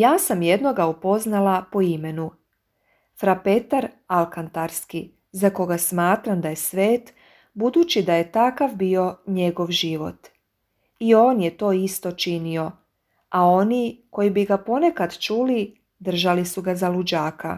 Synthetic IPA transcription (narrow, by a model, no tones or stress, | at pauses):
jaːsamje̞d̪no̞ɡaupo̞znalapo̞ime̞nu | fɾape̞t̪aɾ | alˠkant̪aɾski | zako̞ɡasmaːt̪ɾamd̪aje̞sʋe̞ːt̪ | bud̪uːt͡ɕid̪aje̞t̪akaʋbio̞ɲe̞ɡo̞ʋʒiʋo̞̰t̪ | io̞ːnjet̪o̞ːist̪o̞t͡ʃinio̞ | ao̞niko̞jibiɡapo̞ne̞kad̪t͡ʃuli | d̪r̩ʒalisuɡazalud͡ʑaːkʰa̰